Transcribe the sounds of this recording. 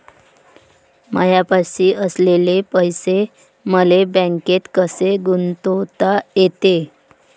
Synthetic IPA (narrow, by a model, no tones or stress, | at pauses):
mə̰japaɕiːʔəslelepəjse | məlebə̃ŋket̪kəseɡunt̪ot̪ajet̪e